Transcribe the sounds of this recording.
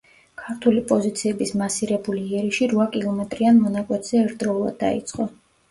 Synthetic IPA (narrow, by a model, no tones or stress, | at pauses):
kʰaɾt̪ʰulipʼɔzit̪sʰiɛbismasiɾɛbuliːɛɾiʃiɾvakʼilˠɔmɛt̪ʼɾianmɔnakʼwɛt̪ʰz̥ɛɛɾt̪̚ʰd̪ɾɔulˠa̰d̪ːa̰ḭt̪sʼqʼɔ